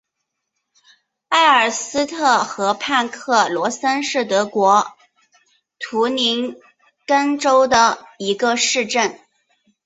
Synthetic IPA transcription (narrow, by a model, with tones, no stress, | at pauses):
a˥˩ɪə˞˨˩sɹ̩˥t̪ʰɤ˥˩xɤ˧˥pʰa˥˧nkʰɤ˥˩lwɔ˧˥sa˥nʂɻ̩˥˩t̪ɤ˧˥kwɔ˧˥ | t̪ʰu˧˥ni˧˥n | kə˥nʈ͡ʂo˥ʊd̪ə˨i˧˥ɡə˧ʂɻ̩˥˧ʈ͡ʂə˥˩n